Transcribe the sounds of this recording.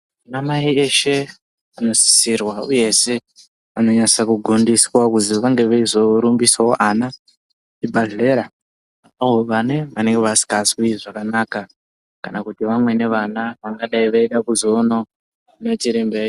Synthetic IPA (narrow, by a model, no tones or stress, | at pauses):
unamaieʃe̞ | ano̞si̥sirwauje̞se̞ | ano̞ɲasakuɡʱundiswakuziʋaŋɡe̞ʋeizo̞ɾumbiswaoʔana | t͡ʃibʱaɮeːɾa | aɦo̞ʋane̞ʋane̞ŋɡeʋasi̥kaswiiʐakanaka | kanakutiʋamwe̞ne̞ʋanaʋaŋɡaɗaiʋaiɗakuzono | not͡ʃiɾimbei